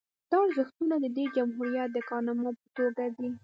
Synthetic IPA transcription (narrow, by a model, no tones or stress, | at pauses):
d̪̥ɑɽzəxt̪unad̪əd̪ed͡ʒamɦuɾijat̪̚d̪əkɑnamɑpət̪oɾdad̪i